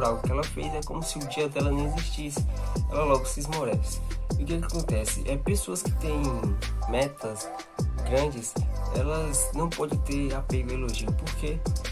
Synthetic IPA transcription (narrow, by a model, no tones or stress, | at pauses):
ɾawɡʊkɪɛlɐfejzɛkõmʊsɪʊd͡ʒiɐd̪ɛlɐnɐ̃w̃eziʃt͡ʃisɪ̥ɛlɐlɔɡʊsɪzmoɾɛsɪ̥ukɛkakõnt̪ɛsɪ̰ʔɛpesoɐskɪ̥t̪ẽj̃mɛt̪ɐs | ɡɾɐ̃d͡ʒɪsɛ̰lɐznɐ̃w̃pɔd̪ẽt̪eɾapeɡʊeloʒiɐpoɾke